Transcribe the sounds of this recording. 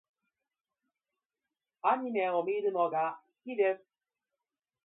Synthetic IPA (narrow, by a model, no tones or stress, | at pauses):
aɲ̟ime̞o̞mʲiɾɯ̟no̞ɡa | kʲid̪e̞sɨ̥